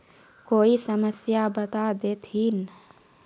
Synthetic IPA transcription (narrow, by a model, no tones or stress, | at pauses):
koːisəməsjabət̪ad̪eːt̪ʰɦin